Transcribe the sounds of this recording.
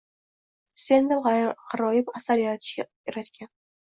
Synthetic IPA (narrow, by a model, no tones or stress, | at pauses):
send̪alʁaɾɒjɪpasaɾjaɾat̪ʰɪ̥ʃkʲajeɾat̪kʲʰan